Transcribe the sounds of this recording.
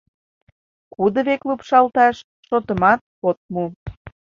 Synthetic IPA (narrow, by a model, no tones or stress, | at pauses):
kud̪əβeklupʃɑlt̪ɑʃ | ʃot̪əmɑt̪̚pot̪̚mu